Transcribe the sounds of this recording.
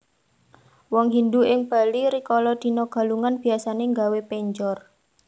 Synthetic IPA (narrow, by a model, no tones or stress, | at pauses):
wɔŋɦind̪uʔɪŋb̥a̤liɾikɔlɔd̪̥i̤nɔɡ̥a̤luŋanb̥i̤asaneŋɡawepɛɲd͡ʒɔr